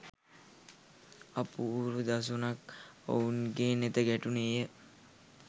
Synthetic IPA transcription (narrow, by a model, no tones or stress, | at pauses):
apuɾud̪as̬unako̰unɡeːnet̪əɡæʈunejə